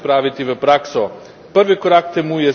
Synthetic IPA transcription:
pɾavit̪ivɛpɾaksɔ | pəɾvikoɾak̚t̪ɛmujɛ

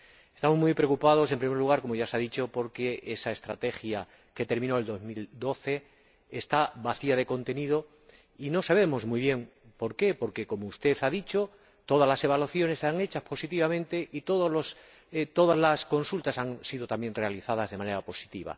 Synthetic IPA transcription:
e̞st̪amo̞zmujpɾeokupað̞o̞se̞mpɾime̞ɾluɣaɾko̞moʝasaðit͡ʃo̞po̞ɾke̞esae̞st̪ɾa̰t̪e̞xja | ke̞t̪e̞ɾmĩnoe̞ld̪o̞zmild̪o̞θe̞ | est̪aβaθiað̞e̞ko̞nt̪e̞nið̞o̞ | ino̞saβ̞e̞mo̞zmujβ̞je̞ŋ | po̞ɾke̞po̞ɾke̞ko̞moust̪e̞θaðit͡ʃo̞ | t̪o̞ð̞azlase̞β̞alwaθjo̞nesːaŋe̞t͡ʃaspo̞sit̪̬iβamẽnt̪e̞ʔit̪o̞ðozlos | t̪o̞ðazlasko̞nsult̪asaŋsið̞ot̪amje̞nre̞aliθað̞azðe̞mane̞ɾapo̞si̥t̪iβa̰

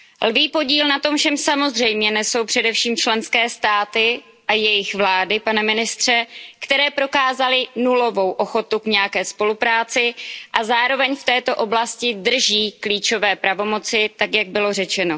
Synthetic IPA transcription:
lviːpo̞ɟiːlnat̪o̞mfʃɛmsamo̞zr̝ɛjmɲɛnɛso̞wpr̝̥ɛdɛfʃiːmt͡ʃlɛnskɛːst̪aːt̪ɪ | ʔajɛjɪxvlaːdɪpanɛmɪnɪst̪r̝̥ɛkt̪ɛɾɛːpɾo̞kaːzalɪnulo̞vo̞wʔo̞xo̞t̪ukɲɛjakɛːspo̞lupɾaːt͡sɪʔazaːɾo̞vɛɲft̪ɛːt̪o̞ʔo̞blascɪdr̩ʒiːkliːt͡ʃo̞vɛːpɾavo̞mo̞t͡sɪt̪akjaɡ̚bɪlo̞r̝ɛt͡ʃɛno̞

